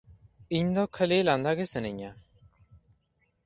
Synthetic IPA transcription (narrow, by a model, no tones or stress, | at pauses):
iɲd̪ɔkʰəliland̪aɡesəniɲa